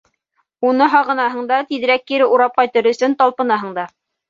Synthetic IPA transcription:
unɤɦɑʁɤ̆nɑɦɤ̆ɴd̪ɑt̪iðɘ̆ɾækːiɾɘuɾɑp̚qɑjt̪ɤ̆ɾɵ̆sɵnt̪ɑlˠpɤ̆nɑɦɤ̆ɴd̪ɑ

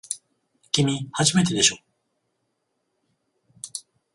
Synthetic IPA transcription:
kʲimʲihaʑime̞t̪e̞d̪e̞ɕo̞

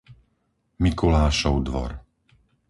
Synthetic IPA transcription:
mikulaːʃɔʊd̪ʋɔ̰ɾ

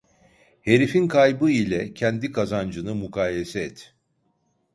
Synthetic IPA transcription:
he̞ɾifinkʰajbɯilʲɛcʰɛnd̪ikʰazand͡ʒɯnɯmukʰaːjesɛɛt̪

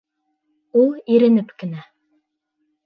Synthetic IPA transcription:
ulˠiɾɘ̆nɘpkɘ̆næ

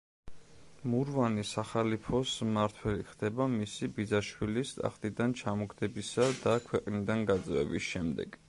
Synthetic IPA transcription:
muɾvanisaχalipʰɔsmaɾt̪ʰwɛliχd̪ɛbamisibid̪zaʃwilist̪ʼa̰χt̪ʼid̪ant͡ʃʰamɔɡd̪ɛbisad̪akʰwɛqʼnid̪anɡat̪zʼvɛ̰bisʃɛmd̪ɛ̰ɡ̥

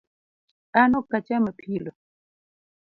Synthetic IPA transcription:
anokat͡ʃaməpʰilo

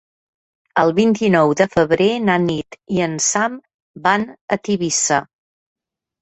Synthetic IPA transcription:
əlˠβint̪inɔwðəfəβɾenanit̪iənsam | banə̰t̪iβisə

